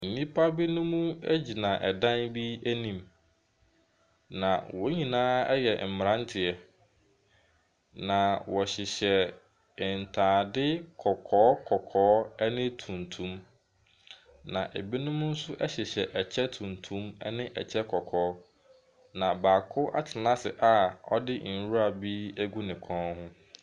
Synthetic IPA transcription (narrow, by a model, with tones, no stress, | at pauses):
n̩˨nĩ˦pʰa˦bi˦nʊ̃˦mũ˦æ˦d͡ʑi˨nã˨ʔɛ˨dã˦nbi˦æ˦nĩ˦˨m | nã̰˨wɔ˦ɲĩ˨nãː˦ɛ˦jɛ̰˨m̩˨m˨ɾã˦n˦tʰɪ˨ɛ˨ | nã˨wɔ˨ɕɪ˨ɕɛ˨ | ɪ˨n̩˨tʰãː˨dɪ˦kʰɔ˨kʰɔː˨˦kʰɔ˨kʰɔː˨˦ɛ˦nɪ̃˦tʰũ˨ntʰũ˦m | nã˨ʔe˨bi˦nʊ̃˦mʊ̃˦n̩˦sʊ˦ʔɛ˦ɕɪ˨ɕɛ˨ʔɛ˨t͡ɕʰɛ˦tʰũ˨ntʰũ˦mɛ̰˦nɪ̃˦ʔɛ̰˨t͡ɕʰɛ˦kʰɔ˨kʰɔː˨˦ | nã˨ba˨kʰʊ˦ʔa̰˦t͡ɕʰɪ˨nã˦sɪ̰˨ʔa˨ɔ̰˦dɪ˦n̩˨ɾu˦ɾa˨bi˦æ˦ɡu˦nɪ̃˨kʰɔ̃˦nhʊ̃˦